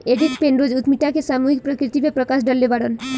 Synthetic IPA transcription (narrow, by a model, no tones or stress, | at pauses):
eɖikpenɾod͡ʑut̪miʈːakesamuɦik̚pɾɔkɾit̪ibepɾɔkasɖɔlːebaɽon